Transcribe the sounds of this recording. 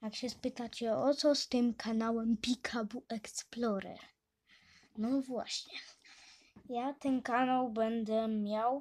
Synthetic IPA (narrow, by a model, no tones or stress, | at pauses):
jakɕɛspɘt̪at͡ɕɛɔt̪sɔst̪ɘmkʰanawɛmpʲikʰabuɛksplɔɾɛ̰ɾ | nɔvwa̰ɕɲɛ | jat̪ɛnkanawbɛnd̪ɛmʲjaw